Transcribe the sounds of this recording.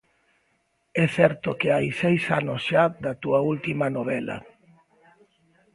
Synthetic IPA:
ɛθɛɾt̪ʊkɪajsejsanosʃad̪ɐt̪uɐult̪imɐnoβɛlɐ̰

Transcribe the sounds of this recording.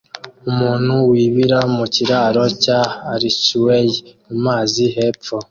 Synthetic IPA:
umuːn̥huwiːβiɾamuciɾaːɾo̞caːɾiswemumaːziɦeːp̪fo

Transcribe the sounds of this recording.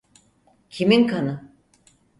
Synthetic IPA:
cʰiminkʰanɯ

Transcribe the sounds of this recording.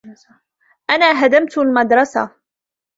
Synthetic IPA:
ʔanaːɦad̪amt̪lmad̪ɾˤɑsa̰

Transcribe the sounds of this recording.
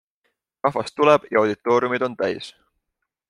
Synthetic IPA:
rɑɦvɑst̪ːuleb̥jɑɑwd̪̥it̪ːˑo̞ːɾiumid̪̥o̞nt̪æjs

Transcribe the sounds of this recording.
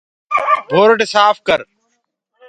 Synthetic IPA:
bʱoːɾɖɪsaːfkəɾ

